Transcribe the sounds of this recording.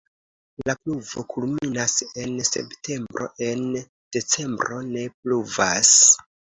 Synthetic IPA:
lapluvo̞kulminase̞nse̞̰ptʰe̞mbɾo̞̰ʔe̞n | d̥e̞t͡se̞mbɾo̞ne̞pluvas

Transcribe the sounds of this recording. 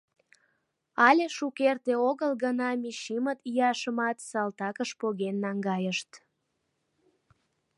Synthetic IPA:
ɑlʲeʃukert̪eoɣəlɣənɑmiʃimət̪jɑʃəmɑt̪sɑlt̪ɑkəʃpoɣenːɑŋɡɑjəʃt̪

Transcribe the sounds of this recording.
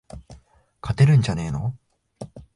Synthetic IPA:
kʰat̪e̞ɾɯ̟̃ɲ̟d͡ʑane̞ːno̰

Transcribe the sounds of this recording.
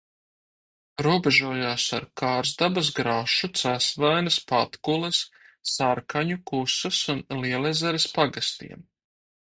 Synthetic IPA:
ɾuɔbɛʒuɔjaːsa̰ɾkaːɾzd̪abas̬ɡɾaʃut̪sasvajnɐspat̪kulˠɨsː | aɾkaɲukusɐsunliɛlˠɛzɛɾespaɡast̪ḭɛm

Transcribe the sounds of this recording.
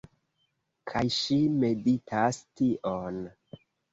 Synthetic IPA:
kʰajʃime̞ditʰastiʔon

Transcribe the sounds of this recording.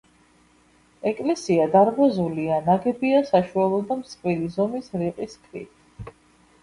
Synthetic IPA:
ɛkʼlɛsiad̪aɾbazulianaɡɛbiasaʃualˠɔd̪amsqʼvwilizɔmisɾiqʼiskʰʼɾḭt̪ʰ

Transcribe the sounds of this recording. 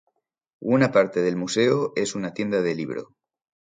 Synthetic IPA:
unapaɾt̪eð̞e̞lmuse̞oe̞sunat̪je̞nd̪að̞eliβ̞ɾo̰

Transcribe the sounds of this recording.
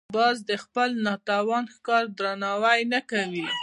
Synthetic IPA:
bɑzd̪əxpəlnɑt̪ɑwɑnxkɑɾd̪ɾanɑwajnakawi

